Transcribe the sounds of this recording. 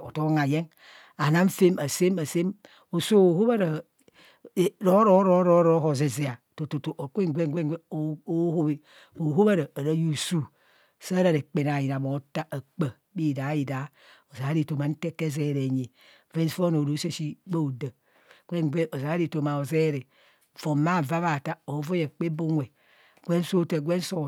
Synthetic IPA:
o̰˨to˦ŋa˨je˦ŋ | a˨na˦m˦fe˦ma˨se˦ma˨se˦m | o˨so˦o˨ho˦βa˦ɾa˨ | ɾo˦ɾo˦ɾo˦ɾo˦ɾo˦ɦo˨ze˨ze˨a˨to˨to˨to˨ʔo˨kʷe˦ŋ˨ɡʷe˦ŋɡʷe˦ŋ˦e˦˨o˦ho˦bi˦ | o˨ɦo˦ba˦ɾaː˨ɾa˦ju˦su˦ | sa˦ɾa˨ɾe˨k͡pe˨n˨a˨ji˨na˨bo˨˦ta˦a˨k͡pə˨ | bi˦˨da˨˦ji˨da˨˦ | o˨za˨a˦ɾi˨to˨ma˨n̩˦te˦ke˦ze˦˨ɾe˨ɲe˨ | ve˦nsfo˦no˨ɾo˨˦se˦ʃi˦ɡ͡ba˦o˨də˨ | kʷe˦ŋ˨ɡʷe˦ʔo˨za˨a˦ɾi˦˨to˨ma˨o˨ze˦ɾe˨ | vo˨ma˦˨va˦βa˨ta˦o˨˦vo˦je˨k͡pe˦bo˦ŋʷe˨ | ɡʷe˦n˦so˦tə˨ɡʷe˦n˦so˦

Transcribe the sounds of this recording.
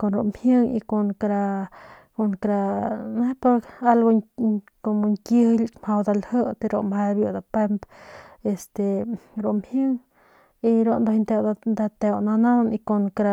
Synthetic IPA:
ko˨nɾo˨ʔmhjɨ˦ŋḭ˧ko˧nkɾa˧ | ko˨ŋkɾa˧ne˦pa˧ka˦lɡo˧ | ko˨mo˧ŋki˧hlmha˧wd̪a˧lhɨ˦t̪e˧ɾo˧mha˧bjo˧d̪a˧pe˧mbe˧st̪e˨ɾo˨mhjɨ˦ŋ | i˧ɾo˧nd̪a˧i˧nt̪e˧wd̪d̪a˧t̪e˧wna˧na˦ni˧ko˧ŋkɾa˧

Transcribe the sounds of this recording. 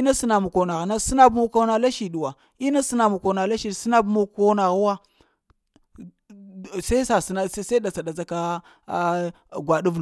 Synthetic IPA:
i˦na˦si˦na˨mu˨ko˨na˨ɣna˦si˦na˦bmu˦ko˦na˨la˦ʃi˨ɗu˨wa˨ | i˦na˦si˦na˨mu˨ko˨na˨la˦ʃi˨dsi˦na˦bmu˦kko˦na˨ɣwa˦ | sa˦sa˨sna˨˦sa˦da˨t͡sa˨da˨d͡za˦ka˦ | ɡʷa˨ɗu˦v

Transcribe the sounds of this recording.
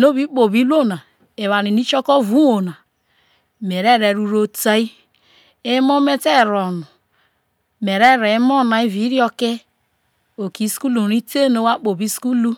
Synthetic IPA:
no˦βi˦k͡po˨bi˦lo˦˨na˨ | e˨wa˨ni˨ni˦t͡ʃo˦ko˦vu˦wo˨na˨ | me˨ɾe˦˨ɾe˨ɾu˦ɾo˦ta˦i˦ | e˦mo˦me˦te˦˨ɾo˨nu˨ | me˨ɾe˦ɾe˨˦mo˦˨na˨i˦vi˨˦ɾi˦o˦ke˦ | o˨ki˨˦sku˦lu˨ɾi˦te˦no˦wa˦k͡po˨bi˦sku˦lu˦

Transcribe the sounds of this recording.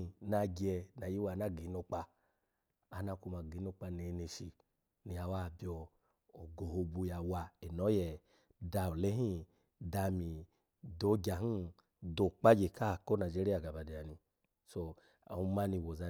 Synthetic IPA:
na˧ɡi˧ɛ˧na˨ji˦wa˨na˦˨ɡi˨˦no˧k͡pa˧ | a˨na˧ku˧ma˨ɡi˨˦no˧k͡pa˧ne˨˧˦ne˧ʃi˧ | ni˧ja˨˧wa˦˨bjɔː˧˨ | ɡo˨ho˧bu˧ja˨wa˧e˨nɔ˨˦jɛ˨ | da˧o˨lɛ˦ɦĩ˦ | da˧˨mi˨ | do˨˦ɡʲa˨hi˦ | do˨k͡pa˦d͡ʒe˨ka˦˨ko˦na˨d͡ʒi˦ɾi˦a˨ɡa˨ba˨di˨a˨ni˧ | so˧ | a̰˨u˧˦ma˦ni˧˨wo˨za˧

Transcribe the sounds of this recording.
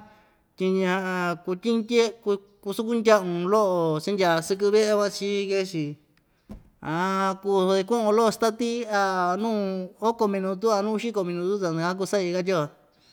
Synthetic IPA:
t̪ʲi˧ɲã˧ʔã˧ku˧t̪ʲi˦ndʲe˦ku˧ | ku˧su˦ku˦ndʲa˦ʔũ˧lo˦ʔo˧˨t͡ʃi˦ndʲa˧˨˧sɨ˧k̬ɨ˧βe˦ʔe˦βa˦t͡ʃi˦ke˦t͡ʃi˨ | a˧ku˧i˧kũ˦ʔõ˧lo˦ʔo˧st̪a˦t̪i˦a˧˨nũː˦o˦ko˧mĩ˧nũ˧t̪u˦a˧nũ˦˧ʃi˦ko˧mĩ˧nũ˧t̪u˦t̪a˧ñ˧a˦k̬u˧sa˦i˧ka˦t̪ʲo˦a˧

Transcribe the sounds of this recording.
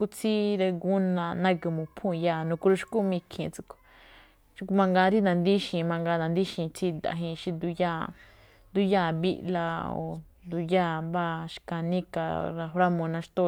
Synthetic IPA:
ku˧t͡sʰi˦ɾe˧ɡu˦nã˧nã˧ki˧mõ˨pʰũ˦˨˧jaː˧˨nũ˧ku˧ɾu˧ʃku˦mĩ˧kʰĩ˧˨t͡su˧ko̥˧ | ʃkmã˧ŋɡa˧ɾi˦nã˨˧nd̪i˦ʃĩ˨mã˧ŋɡa˧nã˨˧nd̪i˦ʃĩ˧t͡sʰi˧d̪a̰˧˨ɦĩ˧ʃi˧nd̪u˧ja˦ | nd̪u˧jaː˦˨βi˦˧ʔla˧o̰˨nd̪u˧jaː˦˧˨ba˦˧ʃka˧nĩ˦ka̰˧˨˧ɾa˧ɸɾa˦mõ˧nã˧ʃt̪o˦˧

